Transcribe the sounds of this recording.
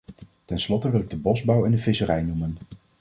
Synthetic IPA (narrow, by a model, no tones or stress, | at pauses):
tɛnslɔtəʋɪlɪɡ̚dəbɔzbɑwɛndəvɪsərɛjnumən